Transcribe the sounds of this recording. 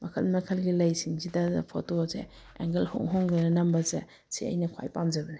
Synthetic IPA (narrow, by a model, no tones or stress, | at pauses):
mɐkʰɐlmɐkʰɐlɡilɐjsiŋzidɐpʰotozḛ | ḛŋɡɐlhɔ̰ŋɦɔŋɡɐnɐnɐmbɐze | sḭɐ̰jnɐkʰwa̰jpamzɐbɐni